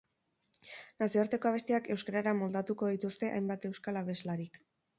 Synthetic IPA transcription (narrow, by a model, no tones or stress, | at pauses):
nasioɾt̪e̞ko̞aβ̞e̞st̪iake̞wskaɾaɾamo̞ld̪at̪uko̞ðit̪ust̪e̞ʔa̰jmbat̪e̞wskalaβ̞e̞zlaɾik